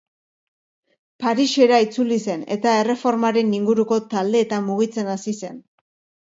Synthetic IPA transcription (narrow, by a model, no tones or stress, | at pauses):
paɾiʃe̞ɾait͡sulise̞ne̞̰t̪ae̞re̞fo̞ɾmaɾe̞niŋɡuɾuko̞t̪ald̪e̞ːt̪amuɣ̞it͡se̞nasise̞n